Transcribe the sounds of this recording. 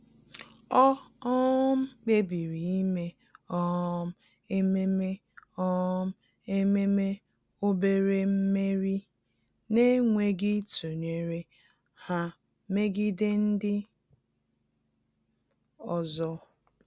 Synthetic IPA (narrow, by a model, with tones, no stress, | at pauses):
ɔ˦ɔ˦m̩˦k͡pe˦bi˨ɾi˨i˦me˦ | ɔ˦m̩˦ | e˦me˦me˦ | ɔ˦m̩˦ | e˦me˦me˦ | o˦be˦ɾe˦m̩˦me˦ɾi˦ | ne˦ŋʷe˦ɡɪ˦to˨ɲe˨ɾe˨ | ha˦ | me˦ɡi˦dɪ˦n̩˦dɪ˦ | ɔ˨zɔ˦